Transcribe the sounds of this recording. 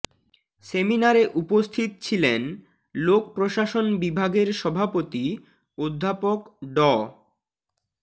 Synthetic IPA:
seminaɾeʔupost̪ʰit̪t͡ɕʰilen | lokpɾoʃaʃonbibʱaɡeɾʃɔbʱapot̪i | od̪ʱːapokɖɔ

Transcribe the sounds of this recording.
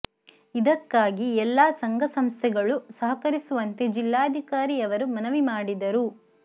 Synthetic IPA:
id̪ɐkːaːɡiɛlːaːsɐŋɡʱɐsɐmst̪ʰɛɡɐɭusɐɦɐkɐɾisuʋɐnt̪e̞d͡ʒilːaːd̪ʱikaːɾijɐʋɐɾumɐnɐʋimaːɽid̪ɐɾu

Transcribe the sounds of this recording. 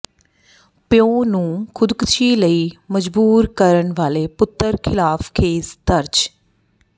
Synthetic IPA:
pɪjõːnũːkʰʊd̪kət͡ʃʰiːləiːməd͡ʒbuːɾkəɾənʋaːleːpʊt̪ːəɾkʰɪlaːfʰkʰeːsd̪əɾd͡ʒ

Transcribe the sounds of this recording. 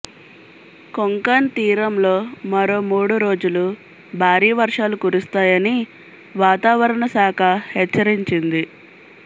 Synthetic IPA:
koŋkant̪iːɾɐmlo̞ːmɐɾo̞ːmuːɽuɾo̞ːd͡ʒulu | bʱaːɾiːʋɐɾʂaːlukuɾust̪aːjɐni | ʋaːt̪aːʋɐɾɐɳɐsaːkʰɐhɛt͡ʃːɐɾiɲt͡ʃind̪i

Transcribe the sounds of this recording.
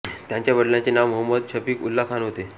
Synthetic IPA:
t̪jãɲt͡ɕjaʋəɽlãɲt͡ɕenaʋːəɦəmːəd̪ɕəpiːkulːakʰanɦot̪e

